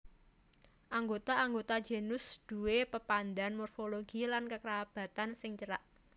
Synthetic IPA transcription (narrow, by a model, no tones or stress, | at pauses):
ʔaŋɡot̪aːŋɡot̪ḁd͡ʒ̥e̤nʊsd̪̥ṳwepəpand̪anmɔrfoloɡ̥ilankəkəɾab̥a̤t̪ansɪŋt͡ʃəɾaʔ